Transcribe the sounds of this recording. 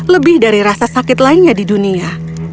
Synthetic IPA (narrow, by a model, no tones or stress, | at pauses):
ləbɪhdaɾiɾasasakɪt̪laɪnɲadidunia